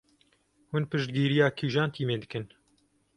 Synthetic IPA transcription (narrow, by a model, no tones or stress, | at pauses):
hʊnpɨʃt̪̚ɡiːɾijaːkʰiːʒaːnt̪ʰiːmeːd̪ɨkɨn